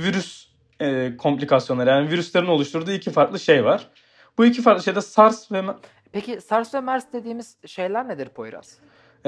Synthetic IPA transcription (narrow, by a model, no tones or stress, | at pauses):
viɾys | kʰo̞mplʲikʰasjonˠaɾɯjaːniviɾyslʲˠeɾino̞lˠuʃt̪ʰuɾd̪uːicʰifaɾklˠɯʃe̞jvaɾ̥ | b̥uicʰifaɾk̪lˠɯʃejd̪asaɾsvɛm | pecʰisaɾsvɛmæɾsd̪e̞d̪iːmiz̥ʃe̞jlʲæɾned̪iɾpʰojɾa̰t̪